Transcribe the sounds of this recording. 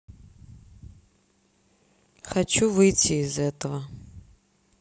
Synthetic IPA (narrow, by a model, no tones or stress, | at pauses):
xat͡ʃʰuvɨjtʰiːzɛt̪ʰɐvɐ